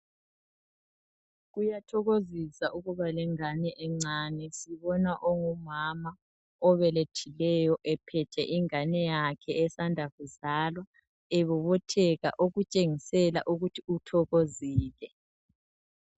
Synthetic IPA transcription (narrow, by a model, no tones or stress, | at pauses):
ɣujatʰɔɣozisaʔuɣuβalɛŋanɛʔɛŋ͡ǀanɛsiβɔnaʔoŋumama | ɔβɛletʰilɛjɔʔɛpʰɛt͡ʃʰʼɛʔiŋanɛjakʰɛɛsandʱaɣuzaːlwa | ɛβɔβɔtʰɛɣa̰ʔoɣut͡ʃʼeŋisɛla̰ʔuɣutʰiutʰɔɣoziːlɛ